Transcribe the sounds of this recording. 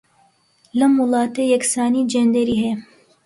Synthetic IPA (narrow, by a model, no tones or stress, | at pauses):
lɐmwʊlˠɑːt̪ejɛksaːniːd͡ʒend̪eɾiːɦe